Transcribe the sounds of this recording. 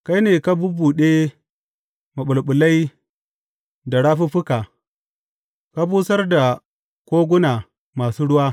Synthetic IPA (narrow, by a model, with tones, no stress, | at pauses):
ka˦jneː˨ka˦bʊ˦bːu˨ɗe˦ | ma˨ɓʊ˨lɓʊ˨la˦j | da˨ɽaː˦ɸu˦ɸʊ˦kaː˨ | ka˦buː˦sɐ˦rda˨ | kʷoː˦ɡʷʊ˦na˨ | maː˨suː˦ɽʊ˦waː˦